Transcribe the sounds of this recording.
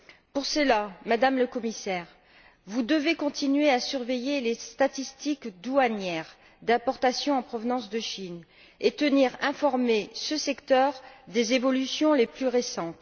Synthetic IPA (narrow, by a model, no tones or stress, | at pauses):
puʁsəlamad̪amləkɔmisɛːʁ | vud̪əvekɔ̃t̪inɥeasyʁvejelest̪at̪ist̪ikd̪uanjɛʁ | d̪ɛ̃pɔʁt̪asjɔ̃ɑ̃pχɔvnɑ̃sd̪əʃin | et̪əniʁɛ̃fɔʁmesəsɛkt̪œʁd̪ezevɔlysjɔ̃leplyʁesɑ̃t̪